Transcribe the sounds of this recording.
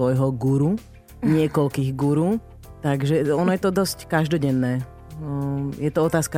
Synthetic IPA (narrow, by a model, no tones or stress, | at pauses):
ɔjɦɔɡuɾu | ɲɪɛkɔlkiːɣɡuɾu | t̪aɡʒɛɔnɔjɛt̪ɔd̪ɔsckaʒd̪ɔɟɛnːɛː | jɛt̪ɔɔt̪aːska